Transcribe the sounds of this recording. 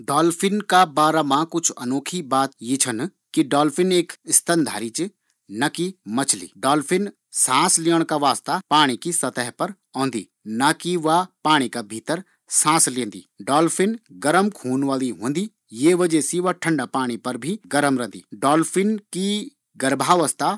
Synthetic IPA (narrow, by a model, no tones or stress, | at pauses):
ɖɔːlfɪnkabaːɾamãkʊt͡ʃʰɐ̰noːkʰibaːt̪jet͡ʃʰən | kiɖɔːlfʰɪneːkɪst̪ənd̪ʱa̰ːɾit͡ʃe | nɐkimɐt͡ʃʰlḭːɖɔːlpʰɪn | sãːsleːəɽ̃kaʋaːst̪apaːɽ̃ikisɐt̪əɦpɐɾ | ɔ̃ːnd̪ḭː | nakiʋapaːɽ̃ikabʱiːt̪əɾ | sãːslẽːnd̪ḭːɖɔːlfʰɪnɡəɾəmkʰuːnʋaːliɦõːnd̪iː | jeʋəd͡ʒɛsiʋɐʈʰə̃ɳɖapaːɽ̃ipɐɾbʱiɡəɾəmɾə̃nd̪ḭːɖɔːlfʰɪnki | ɡɐɾbʱaːʋəst̪a